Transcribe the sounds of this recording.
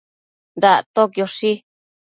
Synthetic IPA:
nd̪aʔt̪okjoʂi

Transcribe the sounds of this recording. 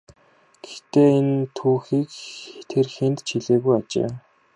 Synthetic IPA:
ɡ̥ext̪eːent̪ʰuːxiːkt̪ʰerxent̪t͡ɕʰiɮeːɣujat͡ɕḛː

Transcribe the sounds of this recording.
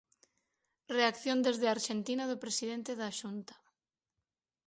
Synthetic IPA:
reakθjond̪ezðeaɾʃent̪inaðopɾesiðent̪eðaʃunt̪ḁ

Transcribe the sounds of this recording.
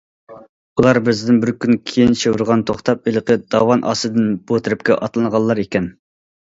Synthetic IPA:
ulˠɑɾbɪzd̪ɪnbɪɾkʲynkʲʰejint͡ʃewɪɾʁɑnt̪ʰoχt̪ɑp̚elˠqəd̪̥ɑwɑnʔɑ̰sɨd̪ɨnb̥ot̪ʰɪɾɪp̚kʲɛ̰ʔɑt̪lˠɨnəʁɑlˠːɑɾekʲɛn

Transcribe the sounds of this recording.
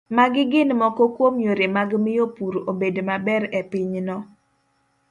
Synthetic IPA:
maɡɪɡɪnmɔkɔkwomjoɾemaɡmɪjopuɾobedomabɛɾɛpɪɲnɔ

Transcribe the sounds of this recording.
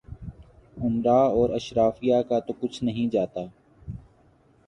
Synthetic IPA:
ʊmɾaːɔːɾəʃɾaːfijaːkat̪okʊt͡ʃʰnɐɦĩːd͡ʒaːt̪aː

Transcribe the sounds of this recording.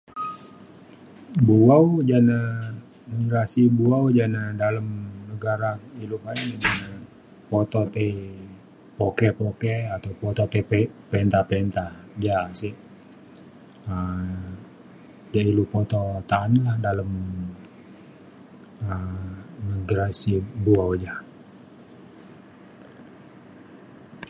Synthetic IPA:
buawd͡ʒana | nəɾasibuawd͡ʒanadaləmnəɡaɾailukainana | pot̪ɔt̪ei | pokɛpokɛat̪awpɔt̪ot̪epɛnt̪apɛnt̪ad͡ʒasɪ | ə | d͡ʒailupot̪ɔt̪aːnlahdaləm | ənəɡɾasibuawd͡ʒa

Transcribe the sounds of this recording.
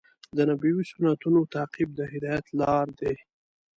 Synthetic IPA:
d̪ənabiwisʊnat̪unot̪ɑːqib̚d̪əɦɪd̪ɑjat̪lɑɾd̪e

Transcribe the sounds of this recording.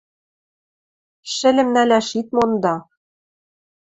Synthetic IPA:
ʃɘ̆lɘ̆mnælʲæʃit̪̚mond̪ɑ

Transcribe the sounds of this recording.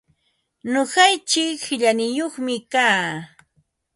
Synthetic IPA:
noɢɑjt͡ʃɪkhɪʎanɪjoχmɪkaː

